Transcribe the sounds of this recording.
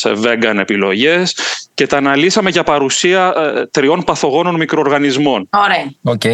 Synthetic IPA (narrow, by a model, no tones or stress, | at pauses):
sḛve̞ŋɡɐne̞pilo̞ʝe̞sce̞t̪ɐːnɐlisɐme̞ʝɐpɐɾusiɐt̪ɾio̞npɐθo̞ɣo̞no̞nmikɾo̞ːɾɣɐnizmo̞noɾeoce